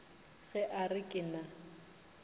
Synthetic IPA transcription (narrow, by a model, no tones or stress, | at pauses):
ɣɛʔarɪkʼɪna